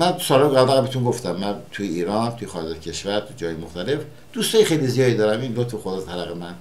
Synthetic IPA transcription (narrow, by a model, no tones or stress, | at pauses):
mænsɒːɾɑɡæbæɣbet̪ʰunɡoft̪æmːænt̪ʰujeiːɾɒnt̪ʰujexɒːɾed͡ʒɒt̪cʲʰeʃvæɾt̪ʰud͡ʒɒːhɒjemoxt̪ʰæle̞f | d̪̥ust̪ɒːjexejlizijɒːd̪iːd̪ɒːɾæminlot̪fexod̪ɒst̪ʰælæɣemæn